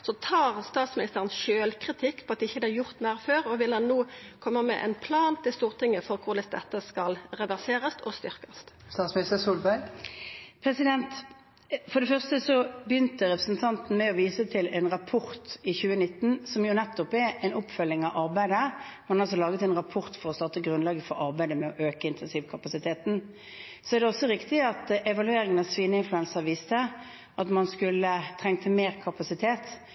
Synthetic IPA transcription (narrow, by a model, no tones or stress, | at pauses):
sɔt̪ʰɑːʁst̪ɑːt̪smɪnɪst̪əʁənsʃøːlkʰʁɪt̪ʰɪkːpʰɔɑt̪̚d̪ɪɪçːəd̪ɛæɾjʊʁt̪mæːʁføːʁɔʋɪlɑnːuːkʰɔmːəmɛ̰ʔɛ̰npʰlɑːnt̪ʰɪlst̪uːʁt̪ɪŋːəfɔɾkʰʊʁd̪ɛsd̪ɛ̰t̪ːəskɑlɾɛʋæʁseːɾɑst̪ʰɔst̪ʏɾkɑst̪st̪ɑːt̪smɪnɪst̪əsuːlbæɾɡ | pʰɾɛsɪd̪ɛnt̪ | fɔɾɖ̪ɛfœʁst̪əsɔbjʏnt̪əɾɛpɾəsn̩t̪ʰɑnt̪n̩mɛɔʋiːsət̪ʰɪlɛɪnʁɑpʰɔʁt̪ɪçʉːənɪt̪ːn̩sɔmjʊnɛt̪ːɔpɛɾɛnɔpfœlːɪŋɑʋʔɑɾbæɪd̪əmɑnɑls̬ɔlɑːɡət̪ɛnʁɑpʰɔʁt̪fɔɾɔst̪ɑt̪əɡʁʉnlɑːɡəfɔɾɑʁbæɪd̪əmɛɔʔøːkəɪnt̪ʰɛnsiːʋkʰɑpɑsɪt̪ʰeːt̪n̩ | sɔæɾʁd̪ɛɔsɔɾɪkt̪ɪɑt̪ɛʋɑlʉeːɾɪŋənɑsʋiːnəɪnflʉɛnsəʋiːst̪ə | ʔɑt̪mɑnskʉlːət̪ʰʁɛŋt̪ʰəmeːʁkʰɑpɑsɪt̪ʰeːt̪